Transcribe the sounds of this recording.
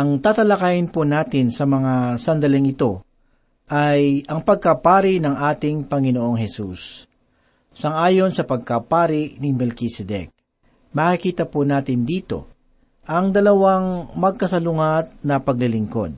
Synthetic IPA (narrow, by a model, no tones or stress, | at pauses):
ʔɐŋt̪aːt̪ɐlɐkajɪnpunaːt̪ɪnsɐmɐŋasɐnd̪ɐlɪŋɪt̪o̞ | ʔɐjʔɐŋpɐɡ̚kɐpaːɾɪnɐŋʔaːt̪ɪŋpɐŋɪnoʔo̞ŋhɛsus | sɐŋʔaːjo̞nsɐpɐɡ̚kɐpaːɾɪʔnɪmɛlkisɛd̪ɛ̰k̚ | mɐkɪkiːt̪ɐpunaːt̪ɪnd̪iːt̪o̞̰ | ʔɐŋd̪ɐlɐwaŋmɐɡ̚kɐsɐlʊŋat̪̚nɐpɐɡ̚lɪlɪŋko̞̰d̪̚